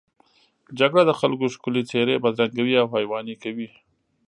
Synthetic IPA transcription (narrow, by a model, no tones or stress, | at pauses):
d͡ʒaɡɽad̪əxalkoʃkʊlit͡seɾebad̪ɾaŋɡawiawpajwɑnikawi